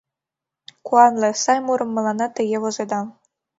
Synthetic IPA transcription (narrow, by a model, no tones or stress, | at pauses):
kuɑnlʲˠɤ̆sɑjmuɾɤ̆mːɤ̆lˠɑnɑt̪ɘ̆jeʋŏzed̪ɑ